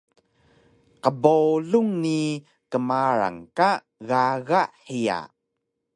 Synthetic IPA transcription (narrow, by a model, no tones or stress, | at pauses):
qəboluŋni | kəmaɾa̰ŋka | ɣaɣaʔhija̰